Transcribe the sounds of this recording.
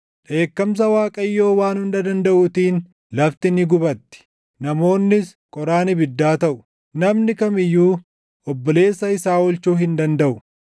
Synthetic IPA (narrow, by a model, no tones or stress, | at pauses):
ᶑe̞ːkːɐms̬ɐwaːkʼɐjːo̞ːwaːnhʊnd̪ɐd̪ɐnd̪ɐʔʊt̪iːn | lɐft̪ɪnɪɡʊbɐt̪ːɪ̥ | nɐmo̞ːnːɪs | kʼɔɾaːnɪbɪd̪ːaːt̪ɐʔʊ̥ | nɐmnɪkɐmɪjːuː | ɔbːɔle̞ːsːɐɪsaːwɔlt͡ʃuːɦɪnd̪ɐnd̪ɐʔʊ